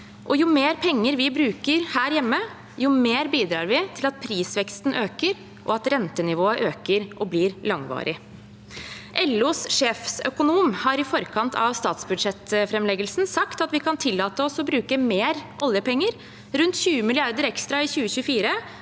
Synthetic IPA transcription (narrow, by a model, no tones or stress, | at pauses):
ʔɔjʊmeːɾpʰɛŋːəɾʋɪbɾʉːkəɾhæːɾjɛmːə | jʊmeːɾbiːd̪ɾɑːɾʋɪt̪ʰɪlɑt̪̚pʰɾiːsʋɛkst̪n̩ʔøːkəɾ | ʔɔɑt̪ɾɛnt̪ənɪʋoːəʔøːkəɾʔɔbliɾlɑŋʋɑ̰ːɾʔɪ | ʔɛlːuːsʂeːfsœkʊnuːmhɑɾɪfɔɾkʰɑnt̪ʰɑ̰ʋst̪ɑːt̪sbʉd̪ʂɛt̪fɾɛmlɛɡəlsn̩sɑkt̪ɑt̪ʋɪkʰɑnt̪ʰɪlːɑːt̪əɔsɔbɾʉːkəmeːɾʔɔljəpɛŋːəɾ | ɾʉnt̪çʉːəmɪlɪɑɾd̪əɾɛkst̪ɾɑɪçʉːəçʉːfiːɾə